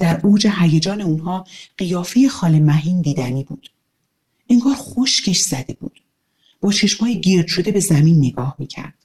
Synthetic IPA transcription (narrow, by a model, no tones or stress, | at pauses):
d̪̥æɾʔoːd͡ʒeɦæjed͡ʒɒːne̞unɦɒːɢ̥ijɒːfeje̞xɒːle̞mæɦiːnd̪iːd̪æniːbuːd̪̥ | eŋɡɒːɾxoʃcʰe̞ʃz̥æd̪e̞bṵːd̪̥ | b̥ɒːt͡ʃʰe̞ʃmhɒːjeɟiɾd̪̥ʃo̞d̪e̞be̞zæmiːnːe̞ɡɒːhmiːcʰæ̰ɾd̪̥